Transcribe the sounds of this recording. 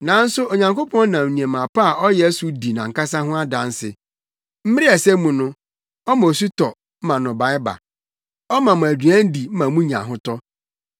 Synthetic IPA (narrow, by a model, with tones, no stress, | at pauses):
nã˨n̩˦sʊ˦o˨ɲã˨ŋko˦pʰɔ̃˦n˦nã˨m˨nĩ˨e˨mã˨pa˦a˨ʔɔ˦jɛ˦æ˦su˦di˨nã̰˨ŋ̩˨ka˦sa˦ɦʊ̃˦a˦dã˨n˦sɪ̰˨ | m̩˦mɪ˦ɾɪ˦ɛ˨sɛ˦mũ˨nʊ̃˦ | ɔ˦mã˨o˨s̬u˦tɔ˨ | m̩˦mã˨nʊ̃˨ba˨˦ɪ˦ba̰˨ | ɔ˦mã˨mʊ̃˨æ˨dɥæ̃˦n̩˦di˨m̩˦mã˨mũ˦ɲã̰˨ɦʊ̃˦tɔ˦